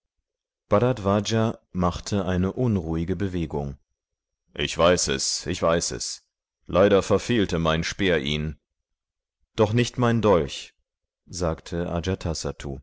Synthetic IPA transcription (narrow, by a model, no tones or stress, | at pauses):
b̥adatv̥ad͡ʒamaχtʰəʔaɪnəʔʊnʁuːɪɡəbəveːɡʊŋ | ʔɪçv̥aɪsɛ̰sʔɪçv̥aɪsɛ̰s | lʔaɪɾɐfɛɐfeːltəmaɪnʃpeːɐʔiːn | d̥ɔχnɪçtmaɪndɔlç | zaːktʰəʔa̰d͡ʒatʰasatʰṵː